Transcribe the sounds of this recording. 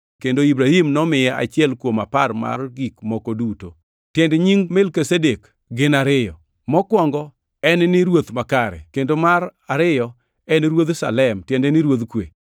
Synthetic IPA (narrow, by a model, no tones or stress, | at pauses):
kendoibɾahimnɔmɪjɛʔa̰t͡ʃɪɛlkwomaparma̰rɡikmɔkoduto | tjɛndɛɲiŋmɛlkesedek | ɡɪnaɾɪjɔ | mɔkwɔŋɡɔ | ɛnnɪɾwot̪makaɾɛ̰kendomaɾaɾɪjɔ | ɛnɾwod̪sa̰lɛmtjɛndɛnɪɾwod̪kwḛ